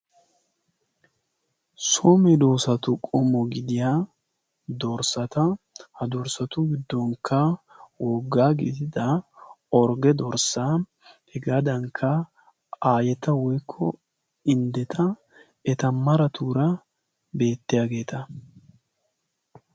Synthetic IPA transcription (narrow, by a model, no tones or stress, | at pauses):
soːmɛd̪oːsɐt̪ʊkʼɔmɔɡɪd̪ɪjaː | d̪ɔɾsɐt̪ɐ | hɐd̪ɔɾsɐt̪ʊɡɪd̪ːɔŋkʰːɐwɔːɡːaːɡɪ̰ːt̪ɪd̪ɐ | ɔɾɡɛd̪ɔɾsaː | hɛɡaːd̪ɐŋkʰːɐ | aːjɛt̪ɐwɔjkʰːɔ | ɪnd̪ɛt̪ʰɐ | ɛt̪ɐmɐɾɐt̪uːɾɐ | be̞ːt̪ːɪjaːɡe̞ːt̪ɐ